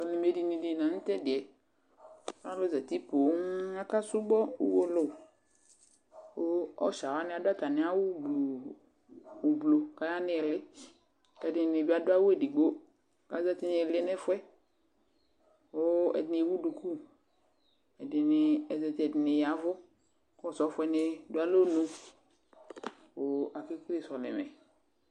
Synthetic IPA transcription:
ʊ˨nɪ˨me˨di˨nĩ˨di˨nã˨n̩˦tɛ˦dɪ˨ɛ˨˦ | a˦lʊ˦zɛ˨ti˦po˨˦a˦ka˦sʊ˦ɡ͡bɔ˦ṵ˦wo˦lʊ˦˨ | o˦ɔ̰˦ʃa˨wa˦nɪ˦a˨dʊ˦a˦ta˨nɪ˨˦a˦wʊ˦blu˨ | blo˨ka˦ja˦nɪ˦ɛ˨lɪ˦ | kɛ˨dɪ˨nɪ˨bi˦a˨dʊ˦a˦wʊ˦e˦˨di˨ɡ͡bo˦ | ka̰˨˦zɛ˦t̪ɪ˦nɪ˨lɪ˦nɪ˦fʊ˦ɛ˦ | wo˦ɛ̰˨dɪ˨nɪ˨wu˦du˨ku˦ | ɛ˨dɪ˨nɪ˨ɛ˨zɛ˨tɛ˨dɪ˨nɪ˨ja˨˦vʊ˦ | kɔ˦˨sɔ˨˦fʊ˦ɛ˨˦nɪ˦dʊ˦a˦lo˦nu˦ | wo˨a˨kɪ˦ki˦li˨sɔ˨lɪ̰˨mɛ̰˨

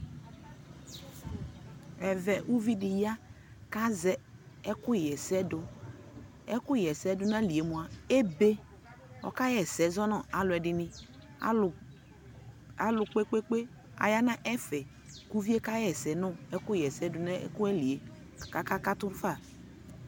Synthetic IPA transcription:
ɛ˨vɛ˨ʔu˦vi˦di˨ja˦ | ka˦zɛ˨ | ɛ˦kʊ˦˨jɛ˨sɛ˦dʊ˨ | ɛ˦kʊ˦jɛ˨sɛ˦dʊ˦na˦˨li˨e˨mũ˨a˨e˦be˦ | ɔ̰˨ka˦jɛ˨sɛ˨zɔ˦nɔ˦˨a˨lʊ˨ɛ˨dɪ˨nɪ̃˨˦˨ | a˦lʊ˨k͡pe˦k͡pe˦k͡pe˦ | a̰˨ja˦nã˦ʔɛ˦fɛ˨ | ku˦vi˦e˦ka˦jɛ˨sɛ˨nɔ˦˨ɛ˦kʊ˦jɛ˨sɛ˦dʊ˨na̰˦kʊ˦ɛ˦li˨e˨ | ka˨ka˦ka˦tʊ˦fa˦˨

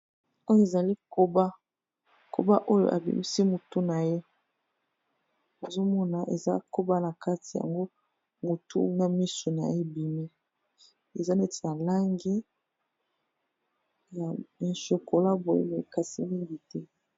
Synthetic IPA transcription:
o˦jo˦e˨za˨li˦ko˦ba˦ | kʰo̰˨ba˦ʔo˦jo̰˦˨ʔa̰˨bḭ˨mi˦si˦mo˨tu˦na˨je˦ | bo˨zo˦mɔ˦na˨ʔḛ˨za̰˦ko˦ba˦na˨ka˦ti˨ja̰˨ŋɡo˦ | mo˨tʰṵ˦na˦mi˦so˨na̰˨je˦bi˨mi˦ | e˨za˦ne˦ti̥˨na˨la˦ŋɡi˦ | ja˨e˨ʃo˨kʰo˨la˦bo˨jḛ˦me˨e˨ka˨si˦mi˦ŋɡi˨tɛ˦

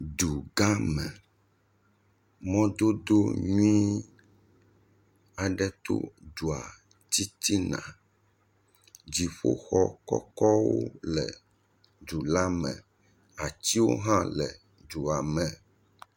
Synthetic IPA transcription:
ɖu˨ɡa˦mɛ̃˨ | mɔ̃˦d̪o˦d̪o˦ɲũ˦ĩ˦ | a˨ɖɛ˦t̪o̰˦du˨a˨ | t̪i˦t̪i˦nã̰˨ | d͡ʑi˨ɸo̰˦xɔ˦kɔ̰˦kɔ˦wo̰˦lɛ̰˨ | ɖu˨la˦mɛ̰̃˨ | a˨t̪i˦wo̰˦ɦã˦lɛ˨ | ɖu˨a˨mɛ̃˨

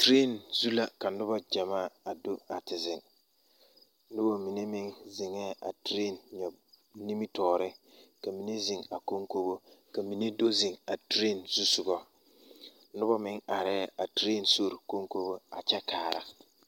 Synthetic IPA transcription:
tɾe˦˨nzu˦la˦˨ka˨nʊ˦bɔ˦d͡ʒa˨maː˦˨a˨do˦a˨tɪ˨zɪ˨ŋ˦ | ʊ˦bɔ˦mi˨ne˦mɪ˦ŋzɪ˨ŋɛː˦a̰˨tɾe˦˨nɲɔ˨ | ni˦mi˦tɔː˨ɾɪ˦ka˨mi˨ne˦zɪ˨ŋa˨ko˦ŋko˦bo˦ka˨mi˨ne˦do˦zɪ˨ŋa˨tɾe˦˨nz̥u˦sʊ˨ɡɔ˦ | nʊ˦bɔ˦mɪ˦ŋa˨ɾɛː˦a˨tɾe˦˨nso˦ɾko˦ŋko˦bo˦a˨t͡ʃɛ˦kaː˨ɾa̰˦

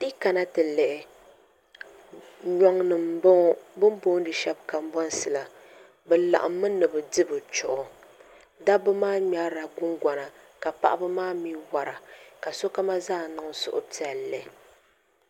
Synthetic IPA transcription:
ti˦ka˨na˦tɨ˨lɛ˨ʔɛ˨ | ɲɔ˦ŋnɨ˨mbo˦bɨ˦m˦bo˦dɨ˨ʃɛ˦b̚ka˨m˦bɔ˦n˦sɨ˨la˨ | bɛ˨la̰˨ʔa̰˨mː˦ɨ˦nɨ˨bɨ˨dɨ˦bɨ˨t͡ʃʊ˨ʔʊ˨ | da˦bɨ˦maː˦ɲa˦ɾa˨ɡʊ˦ŋɡa˨na˨ka˨pa̰˨ʔa˦bɨ˦maː˦mi˦wa˨ɾa˨ka˨so˦ka˦ma˦zaː˦˨nɨ˨ŋ˨sʊ̰˨ʔʊ̰˦pi˦ɛ˨lɛ˨

